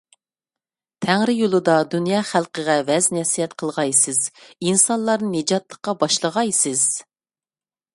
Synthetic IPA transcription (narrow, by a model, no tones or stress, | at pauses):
t̪ʰæŋɾɪjolˠɨd̪ɑd̪unjɑːχælˠqəʁɛvɛznɛsijɛt̪qʰəlˠʁɑjsɨz̥insɑnlˠɑɾnɨned͡ʒɑt̪lˠəqːɑbɑʃlˠəʁɑjsɪz̥